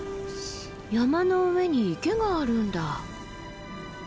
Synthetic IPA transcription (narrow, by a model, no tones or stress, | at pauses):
jamanoɯme̞ɲ̟iːke̞ɡaːɾɯ̟nd̪a